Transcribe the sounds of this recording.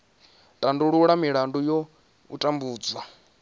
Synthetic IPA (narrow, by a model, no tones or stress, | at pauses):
tʼanduɺuɺamiɺandujɔ | ṵtʼambuːd͡zwa